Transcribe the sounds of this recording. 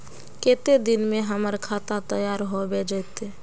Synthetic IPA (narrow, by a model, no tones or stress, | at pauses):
ket̪ed̪inmeɦəməɾkʰat̪at̪əjaɾɦobed͡ʒəɪt̪e